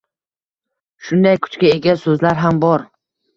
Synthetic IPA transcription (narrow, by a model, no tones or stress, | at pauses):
ʃʊnd̪ajkʰʊ̥t͡ʃkʲae̞ɡʲasɵzlaɾɦambɒɾ